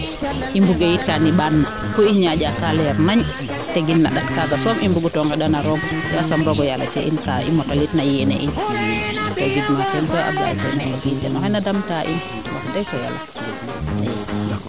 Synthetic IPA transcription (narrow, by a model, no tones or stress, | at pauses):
imbuɡejitkaniɓanːa | kuiɲaɟakalɛɾnaɲ | teɡinːa̰ɗaktaɡasɔmʔimbuɡutɔŋɡaɗanaɾɔɡdɛasamɾɔɡɔjala̰t͡ʃɛʔinkaʔḭmɔtalitnajɛnɛ̰ʔin | tɔɡidmatɛnkɔʔa̰bḭa̰tɔ̰malɔkitːɛnɔhɛnadamtaʔin | lakdajkɔja̰la